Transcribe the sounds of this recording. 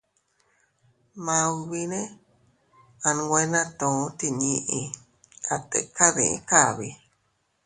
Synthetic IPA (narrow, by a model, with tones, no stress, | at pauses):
mã˧u˧βi˧nẽ˦ | a˧ñ˧ɡʷe˧˦nã˦t̪õ˨˦t̪i˧ɲĩ˧ʔĩ˧ | a˧t̪ḛ˨ka˦ðḭ̃˨ḭ̃˧ka˦˨βi˧